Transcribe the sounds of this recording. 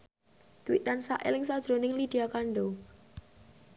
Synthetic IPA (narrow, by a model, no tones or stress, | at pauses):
t̪uwit̪ansa̰ʔḛlɪŋsad̥ʒ̥ɾonɪŋlid̥iakaɳɖo